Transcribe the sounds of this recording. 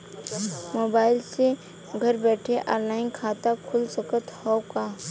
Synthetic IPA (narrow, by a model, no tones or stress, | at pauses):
moːbaːɪlse | ɡʱɐɾbɛːʈʰeʔa̰ːlaːɪnkʰaːt̪akʰʊlsəkət̪hɔːkaː